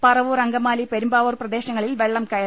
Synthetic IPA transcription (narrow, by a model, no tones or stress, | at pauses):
pɐrɐʋurɐŋɡɐmaːlipeɾumbaːʋɐrprɐd̪e̞ːɕnɐŋːɐɭilʋeɭːɐmkɐjɐ